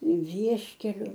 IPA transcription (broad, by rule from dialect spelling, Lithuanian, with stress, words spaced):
ˈʋʲiɛʃʲkʲɛlʲʊ